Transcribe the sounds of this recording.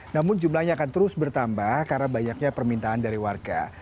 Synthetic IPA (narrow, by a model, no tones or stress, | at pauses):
namʊnd͡ʒumlahɲaːkant̪əɾʊsbərt̪ambahkarnabaɲak̚ɲapərmint̪aandaɾiwarɡa̰